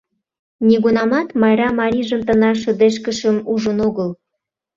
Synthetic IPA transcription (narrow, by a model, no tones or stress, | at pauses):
niɣunɑmɑt̪mɑjɾɑmɑɾʲiʒəmt̪ənɑʃə̆d̪eʃ̬kəʃəmuʒənoɣəl